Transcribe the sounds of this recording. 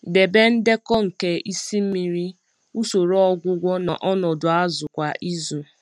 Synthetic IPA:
de˨be˦n̩˦de˦kɔ˦ŋ̩˨ke˦ʔi˦si˦m̩˦mi˨ɾi˦ | u˦so˨ɾɔ˦ɡʷʊ˦ɡʷɔ˦na˨ʔɔ˦nɔ˨dʊ˨a˦zʊ˨kʷa˨ʔi˦zu˨

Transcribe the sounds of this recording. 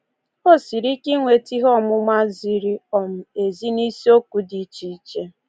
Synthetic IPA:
o˦˨si˨ɾi˦ki˦ŋʷe˨ti˦ɦɔ˦mʊ˦ma˦zi˨ɾi˦ɔ˨m̩˨e˨zi˦ni˦si˦o˦ku˨di˨t͡ʃi˨˦˨t͡ʃe˦

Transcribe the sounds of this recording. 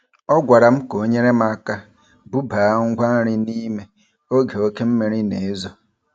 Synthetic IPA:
ɔ˦ɡʷa˨ɾa˨m̩˦ko˨˦ɲe˦ɾe˦m̩˦a˦ka˦ | bu˦ba˨˦ŋ̩˦ɡʷa˦ɾɪ˦ni˦me˨ | o˦ɡe˨o˦ke˦m̩˦me˨ɾi˦ne˨e˦zo˦

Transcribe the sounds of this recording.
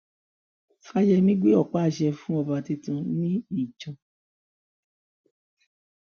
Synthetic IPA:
fa˧jɛ˧nĩ˦ɡ͡be˦ɔ˦˨k͡pa˦˨ʃɛ˧fũ˦ɔ˧ba˧ti˧tũ˧nĩ˦i˨d͡ʒɔ̃˨˧

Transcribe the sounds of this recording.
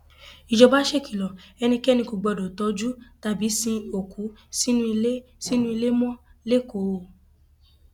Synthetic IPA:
i˨d͡ʒɔ˧ba˦ʃe˦˨ki˨lɔ˨ɛ˧nĩ˧kɛ˦˨nĩ˧ko˨ɡ͡bɔ˧˨dɔ˨tɔ˧˦d͡ʒu˦ta˧bi˨˦sĩ˧o˨kʰu˨˦si˦nũ˦i˧le˦si˦nũ˦i˧le˦mɔ̃˦le˦ko˨

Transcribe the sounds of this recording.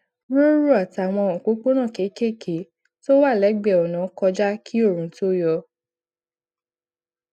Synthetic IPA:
ɾo˦ɾu˦˨a˨ta˨w̃ɔ̃˧˨k͡po˨˦k͡po˦nã˦˨ke˨˦ke˦˨kʰe˨˦ | to˦wa˦˨lɛ˨˦ɡ͡bɛ˦˨ɔ˨nã˨˦kɔ˧d͡ʒa˦kʰi˦o˦˨ɾ̃ũ˨˦to˦jɔ˧

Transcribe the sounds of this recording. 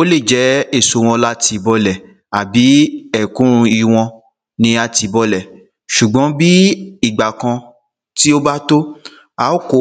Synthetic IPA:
o˦le˦˨d͡ʒɛ˨˦e˦˨so˨˧w̃ɔ̃˧la˦ti˧bɔ˧lɛ˨ | a˨bi˨˦ɛ˦˨kũ˨˦ɾũ˧i˧w̃ɔ̃˧ | nĩ˧a˧ti˨˧bɔ˧lɛ˨ | ʃu˨ɡ͡bɔ̃˨˦bi˦i˦˨ɡ͡ba˨kã˧ | ti˦o˦ba˦to˦ | a˨˦o˦ko˨˦

